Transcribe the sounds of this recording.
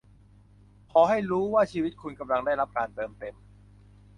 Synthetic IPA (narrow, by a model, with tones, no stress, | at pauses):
pʰɔː˩˦ɦa˥˩jɾuː˦˥waː˥˩t͡ɕʰiː˧wi˦˥t̪̚kʰu˧nka˧mla˧ŋda˥˩jɾa˦˥p̚kaː˧nt̪ɤː˧mt̪e˧m